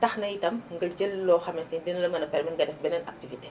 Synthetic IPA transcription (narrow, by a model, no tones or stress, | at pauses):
tɐxnɐjitɐmŋɡɐɟəlːɔːxɐmɛtindinɐlɐmɐnɐpɛɾmɛnɡɐdɛfbɛnɛnɐ̰k̚tivite̥